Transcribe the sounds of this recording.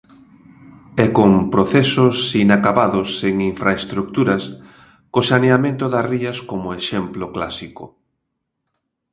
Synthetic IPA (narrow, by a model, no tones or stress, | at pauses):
ɛkompɾoθɛsosinakaβaðʊseŋiɱfɾaest̪ɾuk̚t̪uɾɐs | kosaneamẽnt̪ʊðasriɐskomoeʃemploklasiko̰